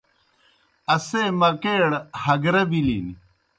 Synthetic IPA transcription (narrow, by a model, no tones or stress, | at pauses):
ɐseːmɐkeːɽhɐɡɾɐbilḭn